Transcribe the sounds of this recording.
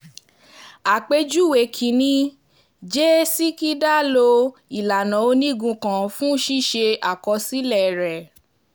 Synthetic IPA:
a˨k͡pe˧d͡ʒu˦we˨kʰi˨˦nĩ˧ | d͡ʒe˦si˦ki˦da˦˨lo˧i˨la˨nã˨o˧nĩ˦˨ɡũ˧kã˨fũ˦ʃi˦ʃe˧a˨kɔ˧si˦lɛ˦˨ɾɛ˨

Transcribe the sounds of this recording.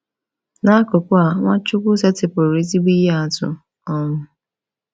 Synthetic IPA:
na˦kʊ˨kʊ˦a˨ŋʷa˦t͡ʃʊ˦kʷʊ˦se˦tɪ˨pʊ˨ɾe˨˦zi˦ɡ͡bi˦je˦a˨tʊ̰˨ | ɔ˦ŋʊ˦

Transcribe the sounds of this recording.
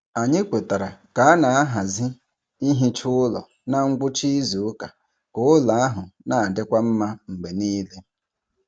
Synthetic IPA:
a˨ɲɪ˦k͡pe˨ta˨ɾa˨ka˨˦a˦na˨a˦ɦa˨zɪ˦ | i˦ɦi˦t͡ʃʊ˦ʊ˦lɔ̰˨ | na˦ŋ̩˦ɡʷʊ˦t͡ʃi˦zu˨ʊ˦ka˨ | kʊ˨ʊ˦la˨a˦ɦʊ˨na˨a˨dɪ˦kʷa˦m̩˦ma˦ŋ͡m̩˨ɡ͡be˨niː˦le˦

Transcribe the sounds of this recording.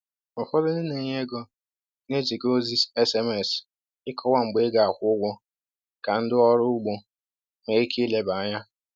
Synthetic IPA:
ʊ˨fɔ˦lʊ˦nɪ˦ne˨ɲe˦ɡɔ˦ | ne˦d͡ʒi˨ko˦zi˦se˦se˦me˨s | ɪ˦kʰɔ˦wa˦ŋ͡m̩˨ɡ͡be˦ɡa˨a˨kʷʊ˦ɡʷɔ˦ | ka˨n̩˦dɪ˦ɔ˦ɾʊ˦ɡ͡bo˦ | ŋe˨˦i˦kʰi˦le˨ba˨˦ɲa˦

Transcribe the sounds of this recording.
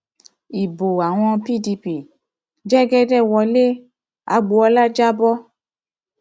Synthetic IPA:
i˨bo˨a˨w̃ɔ̃˧pi˦˨di˧pi˦˨ | d͡ʒɛ˦ɡɛ˦dɛ˦˨wɔ˧le˦ | a̰˨˧˦ɡ͡bo˧˦ɔ˧la˦d͡ʒa˦bɔ˦

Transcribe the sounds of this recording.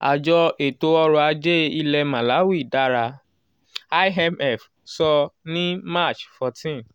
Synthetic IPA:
a˨d͡ʒɔ˧e˨to˧ɔ˧ɾɔ˧a˧d͡ʒe˦i˧lɛ˧mã˨la˨˦wi˦i˦˨da˦ɾa˧ | a˧ɛ˧mɛ˦˨f | sɔ˧nĩ˦ma˦˨t͡ʃfɔ˨˧tĩ˦˨n

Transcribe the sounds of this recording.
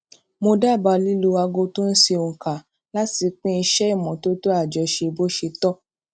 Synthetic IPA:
mo˧da˦˨ba˧li˦lu˧˦a˧ɡo˧to˦n̩˦ʃe˧o˨ŋ̩˨ka˨ | la˦ti˧k͡pĩ˦˧ʃɛ˦i˦˨mɔ̃˨to˦to˦a˦˨d͡ʒɛ˧ʃe˧bo˦ʃe˧tɔ˦

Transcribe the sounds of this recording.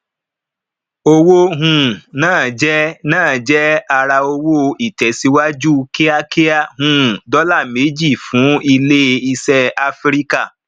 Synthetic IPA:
o˧wo˦ɦũ˨nãː˦˨d͡ʒɛ˦nãː˦˨d͡ʒɛ˦a˧ɾa˧o˧wo˦i˨tɛ˨˦si˨˧˦wa˦d͡ʒu˦ke˦a˦ke˦a˦˨ɦũ˨dɔ˦la˦˨me˨˦d͡ʒi˦˨fũ˨˦i˧le˦i˧sɛ˦a˧fɾi˦ka˦˨

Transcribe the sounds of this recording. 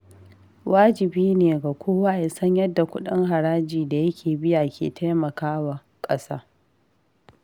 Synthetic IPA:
wʔaː˦d͡ʒɪ˨biː˦neː˨ɡa˨kʷoː˦waː˦jɐ˨sɐ˦ɲjɐ˦dːa˨kʷʊ˦ɗɪ˦ŋɦa˨ɾaː˦d͡ʒiː˨da˨jɐ˦kʲʰeː˨bɪ˦ja˨kʲʰḛː˨ta˦jmɐ˨kaː˦wa˨ | kʼɐ˦sa̰ː˦

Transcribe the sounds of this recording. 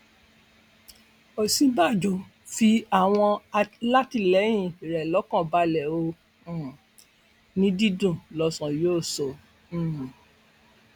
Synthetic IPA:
o˨sĩ˧ba˦˨d͡ʒo˨ | fi˧a˦˨w̃ɔ̃˧a˧la˦ti˦˨lɛ˨˦j̃ĩĩ˦˨ɾɛ˨lɔ˨˦kɔ̃˦˨ba˧lɛ˨õ˧˨ | nĩ˦di˦dũ˦˨lɔ˧˦sɔ̃˨joː˦˨sõ˨˦˨

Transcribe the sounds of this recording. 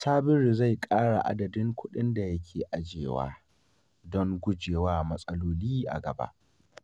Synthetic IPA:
taː˦bɪ˦ɾi˨za˦˨jkʼaː˦ɽa˨ʔa̰˦dɐ˨dɪ˦ŋkʷʰʊ˦ɗɪ˦nda˨jɐ˦kʲʰeː˨ʔa˦d͡ʒeː˨wa̰ː˦ | dɔ˦ŋɡʷʊ˦d͡ʒeː˨waː˦mɐ˦sʼɐ˦loː˦liː˦ʔa̰˨ɡɐ˨ba̰˦ʔ

